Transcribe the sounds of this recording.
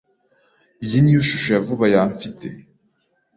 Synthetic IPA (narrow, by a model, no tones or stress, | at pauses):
ijinijuʃu̥ʃojavuβajaɱfitḛ